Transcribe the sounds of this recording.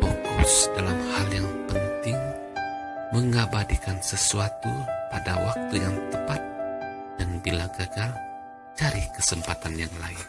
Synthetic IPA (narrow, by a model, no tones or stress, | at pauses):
fokʊsdalamhaljaŋpənt̪ɪŋ | məŋabadikansəsuat̪upadawak̚t̪ujaŋt̪əpat̪̚ | d̥anbilaɡaɡal | t͡ʃaɾikəsəmpat̪anjaŋlaɪn